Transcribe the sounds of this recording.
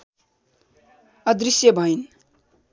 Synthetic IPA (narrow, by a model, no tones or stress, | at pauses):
ʌd̪risjʌbʱʌjn